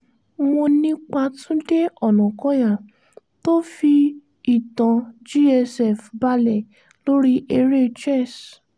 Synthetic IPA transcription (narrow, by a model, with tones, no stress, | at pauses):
mo˧nĩ˦k͡pa˧tũ˦de˦ɔ˨nɔ̃˨kɔ̃˨˦ja˦˨ | to˦fi˧ | i˨tã˨d͡ʒi˦ɛ˧sɛ˦˨fba˧lɛ˨ | lo˦ɾi˦ʔe˧ɾe˦t͡ʃɛ˦˨s